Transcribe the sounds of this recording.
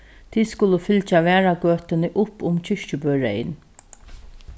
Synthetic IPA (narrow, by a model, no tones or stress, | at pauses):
t̪ʰiːskʊləfʏlt͡ʃaʋɛːɹaɡøːt̪ɪnɪʔʊpːʊmt͡ɕʰʏʂcəbœːɹɛ̰ɪ̰n